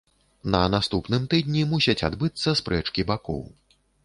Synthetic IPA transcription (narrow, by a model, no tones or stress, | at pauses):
nɐnast̪upnɨmt̪ɨd̪̚ʲnʲimusʲɐt͡sʲa̰d̪bɨt̪sːɐspɾɛt͡ʂkʲibakɔ̰w